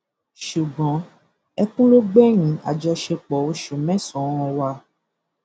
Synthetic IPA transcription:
ʃu˨ɡ͡bɔ̃˨˦ | ɛ˧kũ˦lo˦ɡ͡bɛ˦ɾ̃ĩ˨˦a̰˨d͡ʒɔ˧ʃe˧k͡pɔ˨o˧ʃo˨mɛ̃˦sɔ̃˨˦ɔ̃˧wa˧

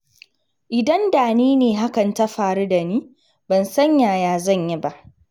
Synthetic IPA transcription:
ʔɪ˨dɐ˦ndaː˨niː˦neː˨ɦa˦kɐ˨nta˦ɸaː˨ɾu˦da˨niː˦ | bɐ˨nsɐ˦ɲjaː˨jaː˨zɐ˦˨ɲji˦ba˦ʔ

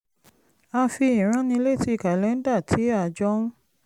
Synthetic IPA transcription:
a˧fi˧ĩ˨ɾ̃ã˨˦nĩ˧le˦˨ti˦˨ka˨lɛ˨˦n̩˦da˦˨tʰi˨˦a˦˨d͡ʒɔ˦

